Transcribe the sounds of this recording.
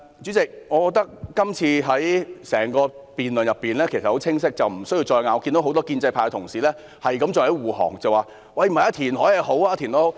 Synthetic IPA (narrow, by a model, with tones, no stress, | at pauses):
t͡ʃy˨˥t͡sɪ˨k̚ŋɔː˨˧kɔː˧k̚t̪ɐ˥k̚ːɐ˥mt͡sʰiː˧ɦɐ˨˥jsɛː˨˩ŋkɔː˧piː˨nlɵ˨njɐ˨pːiː˨nlɛː˥kʰsɐ˨ho˨˥wt͡sʰɪ˥ŋs̬ɪ˥k̚t͡sɐ˨wm̩˨˩sɵ˥ji˧wt͡ʃɔː˧jŋaː˨ɔ˧ki˧nd̪o˧˥wɦt̪ɔː˥kiː˧nt͡sɐ˧jpʰaː˧kt̪ʰʊ˨˩ŋsiː˨lɛː˥ | hɐ˨jkɐ˨˥mt͡ʃɔː˧hɐ˨˥wuː˨˩hɔ̰ː˨˩ŋt͡sɐ˨waː˨ | wɐ˥˩jm̩˨˩hɐ˨jaː˧t̪ʰiː˨˩nhɔː˨˥je˨˧ɦo˨˥waː˧˥t̪ʰiː˨˩nt̪o˥ho˨˧w